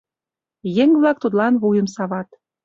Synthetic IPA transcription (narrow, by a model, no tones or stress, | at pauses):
jeŋβlɑk̚t̪ut̪lɑnβujəmsɑβɑt̪